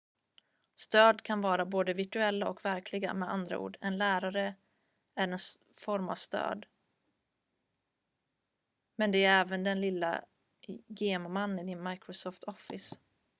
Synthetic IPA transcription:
st̪øːd̪kʰanvɑːɾaboːd̪əvɪʈɵɛlːaʔɔkvæɾkʰlɪɡa̰mɛa̰nd̪ɾa̰ṵːɖɛnlæːɾaɾə | æɾɛns | fɔɾma̰v̥st̪ø̰ːd̪ | mɛnd̪ɛːɾɛːvənd̪ɛnlɪlːa̰ | ɡeːmmanːɪnɪnmajkɾɔsɔːft̪ʰɔfɪs

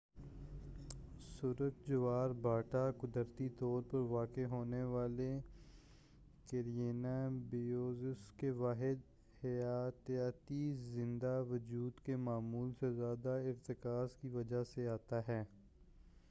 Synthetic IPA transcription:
sʊɾəkd͡ʒʊʋaːɾbʱaːʈakʊd̪əɾt̪it̪ɔːɾpɐɾʋaːkeɦoːneʋaːle | keɾijeːnabɪoːzɪskeʋaːɦɪd̪ | hjaːt̪jaːt̪izɪ̃nd̪aʋɐd͡ʒuːd̪kemaːmuːlsezjaːd̪aɪɾt̪ɪkaːzkiʋɐd͡ʒaseaːt̪aɦɛː

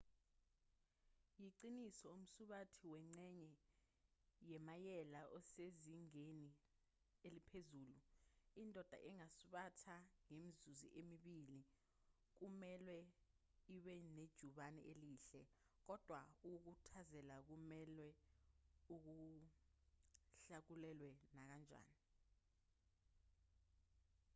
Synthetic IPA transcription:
jiǀinisɔum̩suɓatʰiwɛŋ͡ǀɛɲɛ | jɛmajɛlaʔɔseziŋeni | elipʰezuːluindʱɔd̥ʱa̰ʔɛŋasuɓatʰaŋemizuzḭʔemiɓili | k̬umɛlwɛ | iɓɛned̥ʒ̥ʱuɓanɛ̰ʔeliːɬɛ | k̬ɔd̥ʱwauk̬uk̬utʰazɛlak̬umɛlwɛ | uk̬u | ɬak̬ulɛlwɛnak̬and͡ʒʱa̰ːni

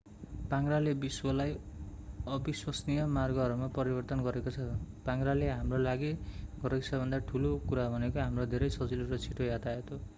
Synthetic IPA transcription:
paŋralebiswʌlaj | ʌbiswʌsnijʌmarɡʌɦʌɾumapʌɾibʌrt̪ʌnɡʌɾekot͡sʰʌpaŋɡraleɦamrolaɡiɡʌɾeksʰʌbʱʌnd̪aʈʰulokuɾabʱʌnekoɦamrod̪ʱeɾʌjsʌd͡ziluɾʌt͡sʰiʈojat̪aet̪ʰo

